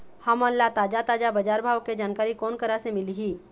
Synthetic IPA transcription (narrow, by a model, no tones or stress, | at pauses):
hɐməlːat̪aːd͡ʒat̪aːd͡ʒabəd͡ʒaːɾbʱaːʋkːed͡ʒaːnkaːɾikɔːnkəɾasemɪliɦiː